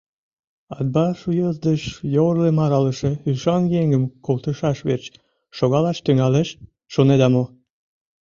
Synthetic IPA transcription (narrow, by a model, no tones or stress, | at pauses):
ɑd̪̚bɑʃujəzd̪əʃjorlemɑɾɑləʃeyʃɑnjeŋɡəmkolt̪əʃɑʃβert͡ɕ | ʃoɣɑlɑʃt̪yŋɑleʃː | oned̪ɑmo